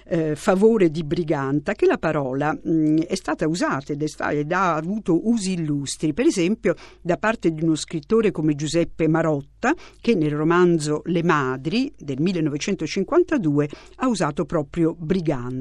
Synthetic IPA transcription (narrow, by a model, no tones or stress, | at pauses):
favoːɾed̪ibɾiɡant̪akelapaɾɔːlaɛst̪aːt̪auzaːt̪ed̪ɛst̪a̰ed̪aːvuːt̪oʔuːziːlːust̪ɾipeɾezɛmpjo | d̪apart̪ed̪iunoskɾit̪ːoːɾekomed͡ʒuzɛpːemaɾɔt̪ːak̟enːelromand̪zolemaːd̪ɾid̪elmilːenːɔvet͡ʃɛnt̪ot͡ʃiŋkwant̪ad̪uːe | auzaːt̪opɾɔːpɾjobɾiɡan